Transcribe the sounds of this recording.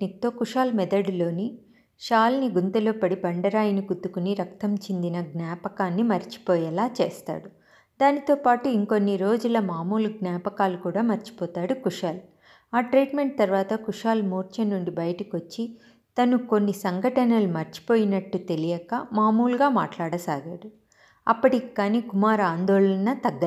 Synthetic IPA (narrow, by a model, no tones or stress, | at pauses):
it̪ːoːkuʂaːlmɛd̪ɐɽlo̞ːni | ʃaːlniɡunt̪ɐloːpɐɽibɐɳɖɐɾaːjɐniɡud̪ːukuniɾɐk̚t̪ɐmt͡ʃind̪inɐɡnaːpɐkaːnːimɐɾt͡ʃi̥pɔːjɛlaːt͡ʃeːst̪a̰ːɽu | d̪aːnit̪o̞ːpaːʈuiŋko̞nːiɾo̞ːd͡ʒulɐmaːmuːlɡnaːpɐkaːlukuːɽaːmɐɾt͡ʃi̥pɔːt̪aːɽukuʂaːl | aːʈɾiːʈme̞ɳʈ̚t̪ɐɾʋaːt̪ɐkuʂaːlmuːɾt͡ʃɐnːuɳɖibɐjɐʈɐkiʋot͡ʃːi | t̪ɐnuko̞nːisɐŋɡʱɐʈɐnɐlumɐɾt͡ʃi̥poːjinɐʈːut̪e̞lijɐkɐmaːmuːlɡaːma̰ːʈlaːɽɐsaːɡa̰ːɽu | ɐpːɐʈikːaːniːkumaːɾaːnd̪ɔːɭɐnɐt̪ɐɡːɐ